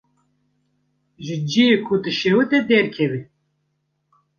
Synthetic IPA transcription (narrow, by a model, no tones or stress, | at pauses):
ʒɨd͡ʒiekʰud̪ɨʃeːwɨt̪ɛd̪ɛɾkʰɛvi